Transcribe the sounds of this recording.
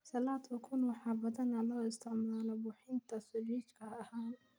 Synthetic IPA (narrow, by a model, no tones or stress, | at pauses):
sɐlaːd̪ʰɐkʰʊnwɑħɑːbɐðɐnɐlɔːɪst̪ʰɪʕmaːlɐbʊːħɪnt̪ʰɐsʊriːt͡ʃkʰɐːhaːn